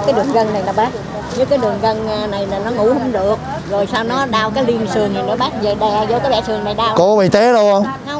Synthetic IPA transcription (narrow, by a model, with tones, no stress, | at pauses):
kaː˨˦jɗɨ˨˩əŋɣə˧nna˨˩jlaː˨˩ɓaː˦˥t̚ | ɲɨ˦˥kaː˨˦jɗɨ˨˩əŋɣə˧n˧na˨˩jlaː˨˩nɔ˨˦ŋṵ˧˩˥hʊ˧˦ŋ͡mɗɨ˨˩ək̚ | zo˨˩jsaː˧wnɔ˨˦ɗaː˧wkaː˨˦jli˧ənsɨ˨˩əŋn˨˩nɨ̰˧˥˦ɓaː˦˥t̚ve˨˩ɗɛ˧˩˨zo˧kaː˨˦jɓɛ̰˧˨sɨ˨˩ŋna˨˩jɗaː˧wko˧ɓi˨˩t̪e˨˦ɗo˧hə˧wŋ͡m